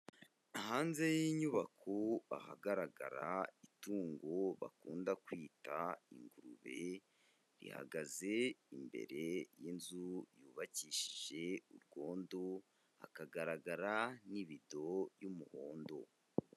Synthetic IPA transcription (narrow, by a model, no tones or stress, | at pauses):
ahaːnze̞jiɲuβakʰoa̰ha̰ɡaɾaɡa̰ɾaituːŋɡoβa̰kuːndakwiːtaḭŋɡuɾuβe̞ | ɾḭha̰ɡaze̞imbe̞̰ɾe̞jinzujuːβaciʃi̥ʒe̞uɾɡo̞ːndo | a̰kaɡaɾaɡaɾaniβido̞jumuho̞ːndo̞